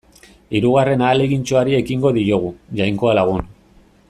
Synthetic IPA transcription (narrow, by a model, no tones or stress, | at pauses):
iɾuɣ̞are̞naːle̞ɣint͡ʃo̞aɾie̞kiŋɡo̞ðioɣ̞uʝajŋko̞alaɣ̞un